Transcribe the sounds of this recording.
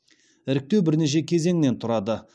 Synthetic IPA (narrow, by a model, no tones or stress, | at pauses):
ɪɾɪk̚t̪ewbɪɾne̞ʃ̬e̞kʲʰe̞ze̞ŋne̞nt̪ʰʊɾɑd̪ə